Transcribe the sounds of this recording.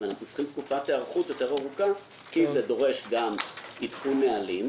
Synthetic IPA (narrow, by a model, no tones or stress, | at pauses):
anaχnut͡sχimt̪kufateaʁχutjo̞te̞ʁaʁuka | kizedo̞ʁe̞ʃɡamitχunealim